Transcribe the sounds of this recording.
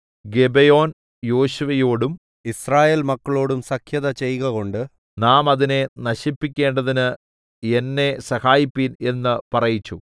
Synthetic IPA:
ɡe̞bejo̞ːn | jo̞ːɕuʋɐjo̞ːɽum | israːje̞ːlmɐkːɐɭo̞ːɽumsɐkʰjɐðɐt͡ɕe̞jɣɐɣo̞ɳɖɨ | naːmɐðine̞nɐɕipːikʲːe̞ːɳɖɐðinɨ | e̞nːe̞sɐhaːjipːine̞nːɨpɐrɐjit͡ɕːu

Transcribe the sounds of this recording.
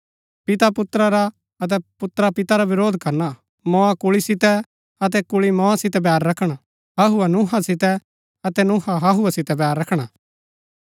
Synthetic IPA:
pɪt̪apʊt̪ɾaɾa | ɐt̪̬ɛpʊt̪ɾapɪt̪aɾaʋɪɾoːd̪ʱkɐɾna | mɔ̃akʊɭisɪt̪ɛ | ɐt̪̬ɛkʊɭimɔ̃asɪt̪ɛb̬ɛːɾːɐkʰɽ̃a | ɦɐɦuɛnũɦasɪt̪ɛ | ɐt̪ɛnʊ̃ɦaɦɐɦuɛsɪt̪ɛbɛːɾːɐkʰɽ̃a

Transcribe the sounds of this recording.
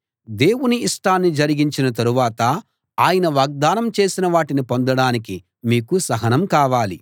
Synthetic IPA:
d̪e̞ːwuniːʂʈaːnːid͡ʒɐɾiɡiɲt͡ʃinɐt̪̬ɐɾuʋaːt̪ɐ | aːjɐnɐʋaːɡ̚d̪aːnɐmt͡ʃe̞ːsinɐʋaːʈinipo̞nd̪ɐɽaːniki | miːkusɐɦɐnɐmkaːʋaːli

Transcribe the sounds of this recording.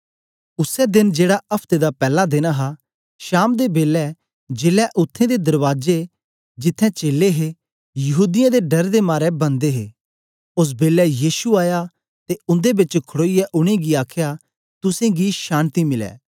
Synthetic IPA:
ʊsɛd̪ɪnd͡ʒeːɽaʔɐpʰt̪ed̪apɛːlad̪eːnaɦa | ʃaːmd̪ebeːlːɛ | d͡ʒeːlɛʔʊt̪ʰːẽd̪ed̪ɐɾʋaːd͡ʒe | d͡ʒɪt̪ʰːɛ̃t͡ʃeːlːeɦe | jɐɦuːd̪ɪjãd̪eɖɐɾd̪emaːɾɛbɐ̃nd̪eɦeː | ʊs̬beːlɛjiːʃuaːja | t̪eʊ̃nd̪ebɪt͡ʃkʰʊɽoːijɛʔʊɽ̃eɡiaːkʰja | t̪ʊsẽɡiʃaːnt̪imɪlɛ̰ː

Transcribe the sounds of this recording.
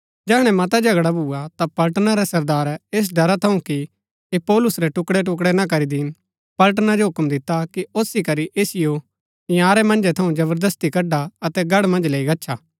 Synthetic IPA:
d͡ʒɛːɦɽ̃ɛmɐt̪ad͡ʒʱɐɡɽabʱuːat̪apɐlʈnaɾɛsɐɾd̪aːɾeːs̬ɖɐɾat̪ʰɐũki | epɔːlʊsɾɛʈʊkɽɛʈ̬ʊk̬ɽɛnak̬ɐɾid̪iːn | pɐlʈ̬nad͡ʒoɦʊkmd̪ɪt̪ːakioːsikɐɾiʔeːsɪjo | ɪjaːɾɛmɐ̃nd͡ʒɛt̪ʰɐũd͡ʒɐβəɾd̪əst̪ikɐɖaɐt̪ɛɡɐɽmɐ̃nd͡ʒleːiɡɐtːʃʰaː

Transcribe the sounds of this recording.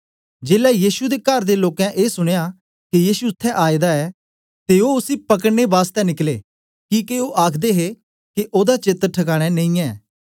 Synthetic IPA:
d͡ʒeːlɛjiːʃud̪ekəɾd̪eloːkɛ̃ʔeːsʊɽ̃ja | kijiːʃuʊt̪ʰːɛʔaːid̪aɛː | t̪eoːʊsipɐk̬əɽnebaːst̪ɛnɪkleː | kiːkeoːʔaːkʰd̪eːɦe | keʔoːd̪at͡ʃɪt̪ɾʈʰəkaːɽ̃ɛ̃nẽĩɛː

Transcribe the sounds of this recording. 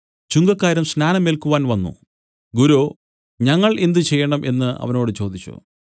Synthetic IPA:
t͡ɕuŋɡɐkːaːɾumsnaːnɐmːelkuʋaːnʋɐnːṵ | ɡuɾoː | ɲɐŋːɐɭe̞nd̪ɨt͡ɕe̞jːɐɳɐmʔe̞nːɨʔɐ̰ʋɐno̞ːɽɨt͡ɕo̞ːd̪it͡ɕːṵ

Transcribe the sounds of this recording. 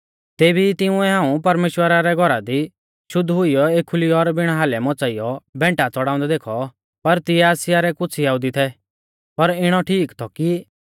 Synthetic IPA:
t̪eːbit̪ɪʊ̃ɛɦãːũpɐɾmeːʃwəɾaɾɛɡʱɔɾad̪i | ʃʊd̪ʱɦʊijɔeːkʰːʊliɔɾbɪɽ̃aɦaːlɛmɔt͡saɪjɔbɛ̃ːɳʈat͡sɔɽaːʊ̃nd̪ɛd̪eːkʰɔ | pɐɾt̪ɪɛaːsɪjaɾɛkʊt͡sʰiɦaːɦʊd̪it̪ʰɛ | pɐɾɪɽ̃ɔʈʰiːkt̪ʰɔki

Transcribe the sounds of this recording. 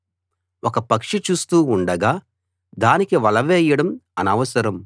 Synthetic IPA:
ʔɔkɐpɐkʂit͡ʃuːst̪uːuɳɖɐɡaː | d̪aːnikiʋɐlɐʋɛːjɐɽɐmɐnɐʋɐsɐɾɐm

